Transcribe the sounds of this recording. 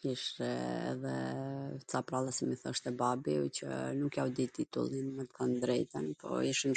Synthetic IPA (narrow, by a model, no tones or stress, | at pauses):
kiʃɛɛ̰ðɛ | t͡sapɾalˠasimiθɔ̰ʃt̪ɛbabicə̰nukjawd̪it̪it̪ṵlˠinmɛt̪kand̪ɾɛjt̪ɛnpɔ̰iʃin